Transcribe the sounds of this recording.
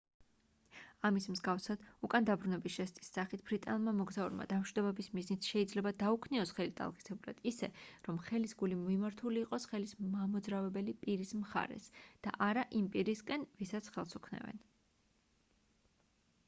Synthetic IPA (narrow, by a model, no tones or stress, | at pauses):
amismzɡafsad̪̥ukʼand̪abɾunɛbisʃɛst̪ʼi̥sːaχit̪ʰb̥ɾit̪ʼanlˠmamɔɡzauɾma̰d̪amʃwid̪ɔbɛbismiznit̪ʰʃɛid̪zlɛbad̪aukʰniɔsχɛlit̪ʼa̰lˠqʼi̥sɛbulˠa̰d̪̥isɛɾɔmχɛlisɡulimɔimaɾt̪ʰuliːqʼɔsχɛlismamɔd̪zɾavɛbɛlipʼiɾismχa̰ɾɛ̰sd̪̥a̰ʔaɾaʔimpʼiɾiskʼɛnvisat̪sʰχɛlˠsukʰnɛ̰vɛ̰n